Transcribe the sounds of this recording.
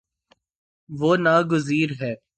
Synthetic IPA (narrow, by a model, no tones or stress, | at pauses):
ʋoːnaːɡʊziːɾɦɛː